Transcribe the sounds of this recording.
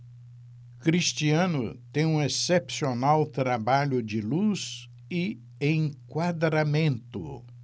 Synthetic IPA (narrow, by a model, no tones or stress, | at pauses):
kɾist͡ʃiɐ̃nʊ̰t̪ẽj̃ũesepsionawt̪ɾabaʎʊd͡ʒɪluz | ɪ | ẽkwad̪ɾamẽnt̪ʊ